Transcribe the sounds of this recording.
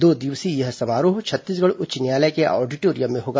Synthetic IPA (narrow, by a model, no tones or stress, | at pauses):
d̪oːd̪ɪʋsijɐɦsɐmaːɾoːɦt͡ʃʰɐt̪ːiːs̬ɡɐɽʊt͡ʃnjaːlɛkeʔɔ̰ːɾɖiʈoːɾijəmːẽɦoːɡa